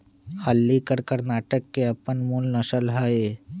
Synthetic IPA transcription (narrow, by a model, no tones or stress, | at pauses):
həlːikəɾkəɾnaːʈəkːeɐpənmulnɐʃəlɦae